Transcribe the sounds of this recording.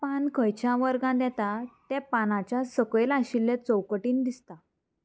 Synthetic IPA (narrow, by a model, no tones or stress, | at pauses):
pankʰəjt͡ɕjaʋəɾɡãd̪ɛt̪at̪ɛpanat͡ɕjasəkɭelaɕilːẽt͡səwkəʈiːnd̪ist̪a